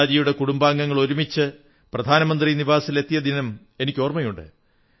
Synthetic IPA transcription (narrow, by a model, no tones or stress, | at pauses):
d͡ʑijuɽe̞kuɽumbaːŋɡɐŋːɐɭo̞ɾumit͡ɕːɨ | prɐd̪ʱaːnɐmɐnd̪riniʋaːsile̞t̪ːijɐd̪inɐm | e̞nikʲːo̞ːrmɐjuɳɖɨ̰